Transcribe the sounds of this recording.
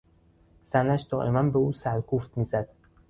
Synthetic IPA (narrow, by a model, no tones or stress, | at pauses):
z̥ænæʃd̪ɒːʔemænbeuːsæɾkʰuft̪miːzæd̪̥